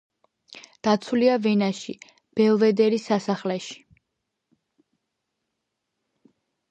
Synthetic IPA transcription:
d̪̥at̪sʰuliavɛnaʃi | b̥ɛlˠvɛd̪ɛɾisasaχlɛʃi̥

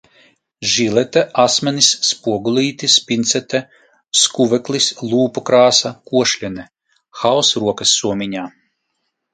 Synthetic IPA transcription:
ʒilʲˠɛt̪ɛʔasmʲɛnisːpuɔɡulʲˠiːt̪ispʲint̪sʲɛt̪ɛ | skuvɛklˠislˠuːpɔkɾaːsakuɔʃlʲɛnɛ | xawsɾuɔkɐsːuɔmʲiɲaː

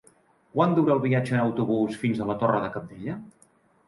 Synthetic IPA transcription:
kwand̪uɾəːlˠβiad͡ʒəːnəwt̪uβusfinzələt̪orəðəkəp̚d̪eʎə

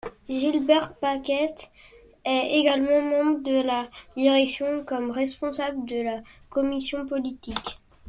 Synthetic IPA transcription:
ʒilbɛʁt̪pakʲɛt̪ | ɛeɡalmɑ̃mɑ̃bʁəd̪əlad̪iʁɛksjɔ̃kɔmʁɛspɔ̃sabləd̪əlakɔmisjɔ̃pɔlit̪ik

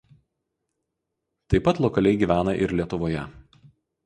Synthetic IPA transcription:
t̪ɐɪpːɐt̪lˠɔkɐlʲɛɪɡʲiːʋʲæːnɐʔɪɾlʲiɛt̪ʊʋoːjɛ

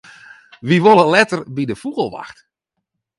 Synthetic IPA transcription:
ʋiʋoləlɛtərbidəfuɣəlˠʋa̰xt

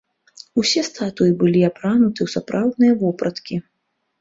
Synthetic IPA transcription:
usʲɛst̪at̪ujɨbɨlʲiapɾanut̪ɨwsapɾawd̪nɨjɐvɔpɾɐt̪kʲi

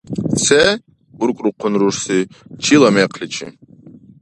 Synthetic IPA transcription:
sɛ | uɾkʼɾuqʰːʊnɾuʂsit͡ʃʰilˠɑmɛqʰlit͡ʃʰḭ

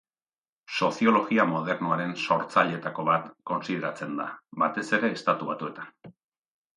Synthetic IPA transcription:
so̞sio̞lo̞ɣiamo̞ð̞e̞ɾnoaɾe̞nso̞ɾt͡saʎe̞t̪ako̞βat̪ko̞nsið̞e̞ɾat͡se̞nd̪a̰bat̪e̞se̞ɾe̞ːst̪at̪uβ̞at̪ue̞t̪ḁn

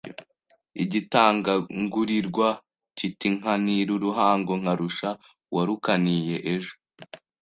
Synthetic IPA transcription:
iɟitaːŋɡaŋɡuɾiɾɡwa | citiŋ̥aniɾuɾuɦaːŋɡoŋ̥haɾuʃa | wʔaɾukaniːjeʔeʒo

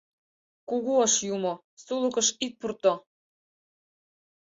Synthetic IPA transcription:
kuɣuɑʃjumo | sulɤ̆kɤ̆ʃit̪̚purt̪o

